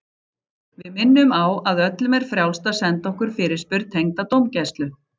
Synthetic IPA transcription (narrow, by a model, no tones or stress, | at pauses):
vɪðmɪnːʏmawaðœt̪lʏmɛɾ̥fɾjawlst̪asɛnt̪ɔhkʏɾ̥fɪɾɪ̥spʏɾt̪ʰejŋt̪at̪owmcɛjst̪lʏ